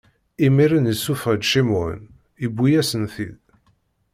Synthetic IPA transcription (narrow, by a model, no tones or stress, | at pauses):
imiɾənisufæd̪ʃimʊ̰n | ibːijæsənθið